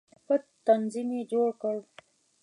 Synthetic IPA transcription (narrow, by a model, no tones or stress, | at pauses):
pət̪t̪ːanzimed͡ʒoɽkəɽ